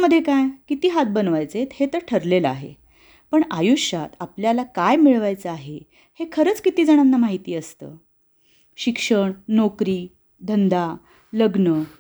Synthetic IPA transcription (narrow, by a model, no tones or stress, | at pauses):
məd̪ʱːjekajkit̪iːɦat̪̚bənʋajt͡set̪het̪əɾʈʰəɾleləaɦḛ | pəɳajuɕat̪apljalakajmiɭʋajt͡səaɦe | hekʰəɾət͡skit̪iːd͡zaɽ̃anːamaɦit̪iːəst̪ə̰ː | ɕikʂəɳnokɾiː | d̪ʱənd̪a | ləɡnə